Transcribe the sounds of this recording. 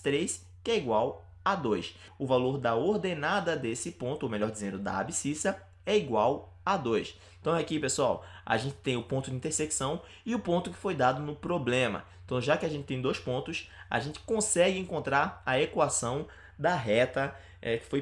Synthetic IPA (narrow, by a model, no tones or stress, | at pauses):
t̪ɾejs | kɛiɡwaw | ad̪ojs | ʊvaloɾd̪ɐoɾd̪enad̪ɐd̪esɪpõnt̪ʊomeʎɔɾd͡ʒizẽnd̪ʊd̪ɐ̰a̰bisisɐ | ɛiɡwaw | ad̪ojs | ẽt̪ɐ̃w̃ɛakipesuawa̰ʒẽnt͡ʃɪ̥t̪ẽj̃ʊpõnt̪ʊd͡ʒɪĩt̪eɾseksɐ̃w̃ | ɪʊpõnt̪ʊkɪ̥fojd̪ad̪ʊnʊpɾoblẽmɐ̰ẽt̪ɐ̃w̃ʒakɪaʒẽtt͡ʃɪ̥t̪ẽj̃d̪ojspõnt̪ʊsa̰ʒẽnt͡ʃɪ̥kõsɛɡɪẽŋkõnt̪ɾaɾɐekwasɐ̃w̃ | d̪ɐɦɛt̪ɐ | ɛkɪ̥foj